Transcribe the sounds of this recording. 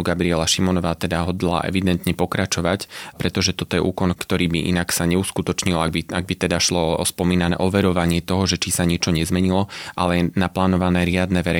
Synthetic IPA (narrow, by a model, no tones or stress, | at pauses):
ɡabɾiɛlaʃimɔnɔʋaːt̪ɛd̪aɦɔd̪la̰ʔɛ̰ʋid̪ɛnt̪ɲɛpɔkɾat͡ʃɔʋacpɾɛt̪ɔʒɛt̪ɔt̪ɔjɛʔuːkɔnkt̪ɔɾiːbiʔḭnaksaɲɛuskut̪ɔt͡ʃɲilabiaɡ̚bit̪ɛd̪aʃlɔɔ̰spɔmiːnanɛ̰ːʔɔʋɛɾɔʋaɲɪɛt̪ɔɦɔʒɛt͡ʃisaɲɪɛt͡ʃɔɲɛzmɛɲilɔʔalɛjɛnaplaːnɔʋanɛːɾɪad̪nɛʋɛɾɛ